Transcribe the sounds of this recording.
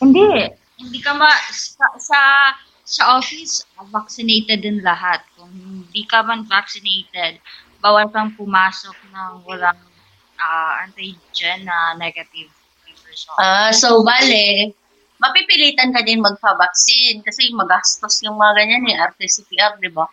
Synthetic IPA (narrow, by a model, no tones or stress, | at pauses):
hɪnd̪ɛ | hɪnd̪ikɐmɐskɐsɐ | sɐʔoːfɪsvaksɪnejt̪ɛd̪ɪnlɐɦat̪̚kʊŋhɪnd̪ikɐmɐnvak̚sɪnejt̪ɛd̪̚ | baːwɐlkɐŋpʊmaːsok̚nɐŋwɐlaŋ | ʔaːʔɐnt̪aj | d͡ʒanːɐnɛɡɐt̪ɪv | tibɛsoʔasowbaːlɛ | mɐpipɪliːt̪ɐnkɐd̪ɪnmɐɡ̚pɐbɐk̚sɪnkɐsɛmɐɡast̪osjʊŋmɐŋɐɡɐɲanɛʔɐɾt̪ɛsɪpiʔap̚d̪ɪba